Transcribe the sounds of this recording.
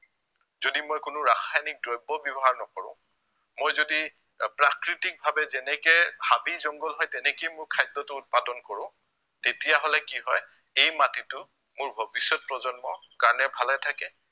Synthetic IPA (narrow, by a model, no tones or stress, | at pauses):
zodimojkʊnʊɹaxʰajnik̚dɹɔjbɔbɔbɔɦaɹnɔkɔɹʊ̰̃ | mojzodi | pɹakɹitik̚bʱabɛzɛnɛkɛhabizɔŋɡɔlɦɔjtɛnɛkejmʊɹkʰajtːɔtʊːt̚padɔnkɔɹʊ̃ | tetijaɦɔlɛkiɦɔj | ejmatitʊ | mʊɹbʱobisɔt̚pɹɔzɔnmɔkaɹɔnɛbʱalɛtʰakɛ